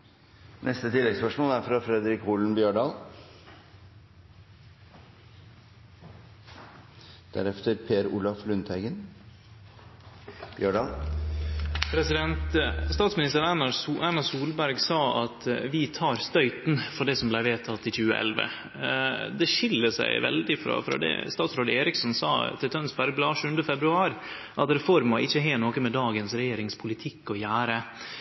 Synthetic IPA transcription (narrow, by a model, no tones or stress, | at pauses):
nʔɛst̪ət̪ʰɪlːɛɡspœʂmoːlæɾfɾɑfɾɛd̪ɾɪkuːln̩bjøːɳɖɑːl | d̪̥æ̰ɾɛft̪əɾpʰeːɾṵːlɑflʉnt̪ʰhæɪɡən | b̥jøːɳɖɑːl | pʰɾɛsɪd̪ɛnt̪st̪ɑːt̪smɪnɪst̪əɾænɑænɑsuːlbæɾɡsɑːɑt̪ʋɪt̪ʰɑːɾst̪œʏt̪nfɔɖɛsɔmblæɪʋeːt̪ʰɑt̪ːɪçʉːəʔɛ̰lʋə̰ | d̪ɛʂɪlːəsæ̰ɪʋɛ̰ld̪ɪfɾɑ̰fɾɑ̰d̪ɛ̰st̪ɑːt̪sɾoːd̪əeːɾɪksɔnsɑ̰ːt̪ʰɪlt̪ʰœnsbæɾɡ̚blɑːʂʉːənd̪əfɛbɾʉɑːɾ | ʔɑt̪ɾɛfɔɾmʋɑʔɪçːəɦeːnoːkəmɛd̪ɑːɡənsɾɛjeːɾɪŋspʰʊlɪt̪ʰɪkːɔjæːɾə